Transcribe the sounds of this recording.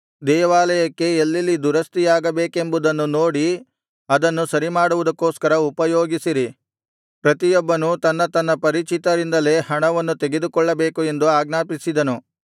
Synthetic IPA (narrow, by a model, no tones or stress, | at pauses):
d̪ɛːʋaːlɐjɐkːe̞ːlːilːid̪uɾɐst̪ijaːɡɐbeːke̞mbud̪ɐnːunoːɽi | ɐd̪ɐnːusɐɾimaːɽuʋud̪ɐkːoːskɐɾɐupɐjoːɡisiɾi | pɾɐt̪ijɔbːɐnut̪ɐnːɐt̪ɐnːɐpɐɾit͡ʃit̪ɐɾind̪ɐle̞ːhɐɳɐʋɐnːut̪e̞ɡe̞d̪ukɔɭːɐbe̞ːkue̞nd̪uaːɡnaːpisid̪ɐnu